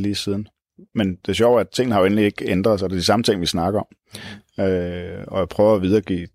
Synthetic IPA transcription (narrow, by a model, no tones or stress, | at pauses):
liːsið̞ˠn̩ | mend̥e̝ɐɕjɒʊ̰ææt͡sʰe̝ŋ̰n̩hɑjoenlie̝ɡ̥end̥ʁɐðˠsɒd̥e̝ɐd̥isɑ̈mət͡sʰe̝ŋ̰ʋisnɑ̈ɡ̥ɐɒ̽m | øɒ̽japʰʁœːʊɐæʋið̞ˠɐːɡ̥ḭː